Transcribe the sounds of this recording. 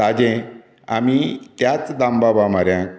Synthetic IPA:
ad͡ʑɛ̃ | a̰mit̪jat͡sd̪ãmbabamaɾjã

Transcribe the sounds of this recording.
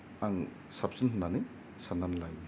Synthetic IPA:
aŋ | sap̚sinɦunːanij | sanːanlaj

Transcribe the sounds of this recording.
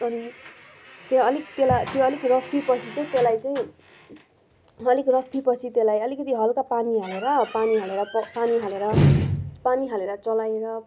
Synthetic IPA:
ʌni | t̪jeʌlik̚t̪elat̪joʌlikrʌpʰipʌt͡sʰit͡sʌĩt̪elajt͡saĩ | ɦʌlikrʌpʰipʌt͡sʰit̪elajʌlikʌt̪iɦʌlkapaniɦaleɾʌpaniɦaleɾʌpaniɦaleɾʌpaniɦaleɾʌt͡sʌlajeɾʌ

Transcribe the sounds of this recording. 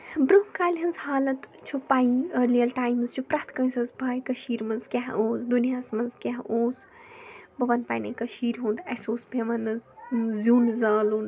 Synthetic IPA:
bɾumkaːlʲɦɐnzhaːlɐt̪t͡ʃʰupaːiəːɾlijɐlʈaːjmzt͡ʃʰupɾaːt̪ʰkɐ̃ːsɐzbʱaːjkɐʃiːɾmɐnzkʲaɦoːzd̪unijaːsmɐnzkʲaɦoːz | bɐʋɐnpaːjnɐkɐʃiːɾɦũːnd̪ɐsoːsbʱeʋɐnɨzzuːnzɐːlun

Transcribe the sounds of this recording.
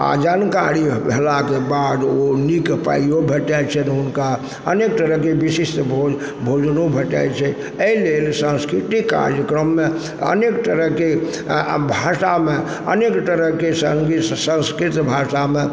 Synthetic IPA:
a̰d͡ʒankaɽibʱelakebad̪onikpa̰ijobʱeʈɛt͡ʃʰɛt̪ɔunka | ənekt̪əɾəɦkebisist̪bʱod͡ʒ | bʱod͡ʒnobʱeʈa̰jt͡ʃʰɛ | əɦilelsə̃nskɾit̪ikːa̰ɾjəkɾəmːe | ə̰nekt̪əɾəɦke | bʱasame | ə̰nekt̪əɾəɦkesəŋɡisə̃nskɾit̪bʱasame

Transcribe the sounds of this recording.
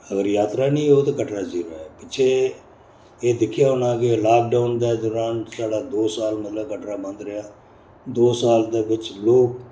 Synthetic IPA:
əɡəɾjaːt̪ɾaːnĩːɦoːt̪eːkəʈɾaːd͡ʒiːɾaːɛːpɪt͡ʃʰeː | eːd̪ɪkʰːɪjaːɦʊnaːkɪlaːk̚ɖaːʊnd̪aːd̪ɔːɾaːnsaːɽaːd̪oːsaːlmət̪ləbkəʈɾaːmə̃nd̪ɾəjaː | d̪oːsaːld̪eːʋɪt͡ʃloːk̚

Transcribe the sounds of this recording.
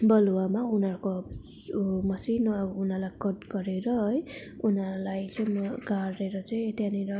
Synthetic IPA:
bʌluwamaunʌrko | mʌsinʌbʌunalajkʌdɡʌɾeɾʌj | unalajt͡sʌjmʌɡareɾʌt͡sʌj̃t̪janeɾʌ

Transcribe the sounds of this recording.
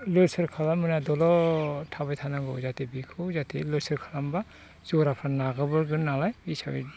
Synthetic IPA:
lɯsɯɾkʰalamːɯnadɔlɔtʰabajt̪ʰanaɡɔ̰zatibikʰɯzatilɯsɯɾkʰalamba | zɔɾapʰanaɡabɯɾɡɯnnːalajisai

